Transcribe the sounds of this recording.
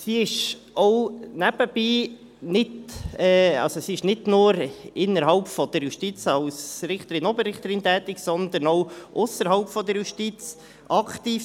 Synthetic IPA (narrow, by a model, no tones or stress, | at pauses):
siɪʃ | ɔwnæb̥əb̥iː | nɪdɛːɑ̰lsosiɪʃnɪdnʊːɾɪnəɾɦɑlpfɔd̪̥əɾjuʃtit͡sɑwsɾɪχt̪əɾɪnɔbəɾɪχt̪əɾɪnt̪ɛːt̪ɪksɔnd̪ənɔwʔʊsəɾɦɑʊpfɔd̪əɾjuʃtit͡s | ʔɑktiːf